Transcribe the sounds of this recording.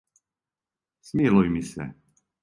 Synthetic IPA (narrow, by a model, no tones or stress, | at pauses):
smilujmisɛ̰